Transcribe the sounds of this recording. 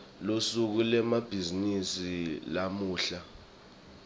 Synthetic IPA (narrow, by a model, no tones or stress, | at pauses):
losuk̬ulɛmab̥ʱizinisilamuːɬa